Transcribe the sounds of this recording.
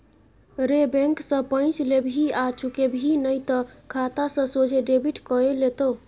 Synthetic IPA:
ɾebɛ̃ŋksə̃pə̃ɪ̃t͡ʃlebʱiat͡ʃʰukebʱinəjt̪ɔkʰat̪asə̃sod͡ʒʱeɖebʱiʈkɔelet̪o

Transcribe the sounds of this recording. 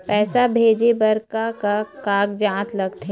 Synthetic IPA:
pɛːsabʱeːd͡ʒebɐɾkakakaːɡd͡ʒãːt̪lɐɡt̪ɦe

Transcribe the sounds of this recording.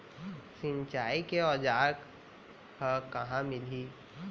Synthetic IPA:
sɪmt͡ʃaːikeɔːd͡ʒaːɾk | kəkɐɦãmɪliː

